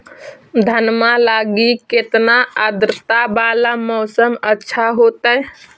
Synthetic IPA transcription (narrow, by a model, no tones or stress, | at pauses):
d̪ʱənmalaɡiket̪naəd̪ɾət̪abalamɔːsəmətːʃʰaɦot̪ə